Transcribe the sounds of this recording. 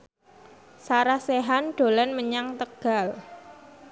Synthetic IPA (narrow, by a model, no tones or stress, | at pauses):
saɾahseɦanɖ̥o̤lɛnməɲaŋt̪əɡ̥a̤l